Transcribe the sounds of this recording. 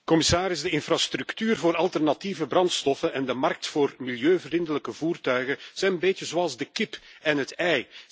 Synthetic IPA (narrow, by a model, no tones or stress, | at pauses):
kɔmɪsaːɾɪzdəɪnfrast̪ɾyktyːrvoːɾɑlˠtɛrnativəbrɑnt̪stɔfənɛndəmɑrk̚tfoːrmiljøːvərindələkəvuːrtœɥɣəz̥ɛjnənbeːtjəzoɑlˠzdəkɪpɛnɦətɛj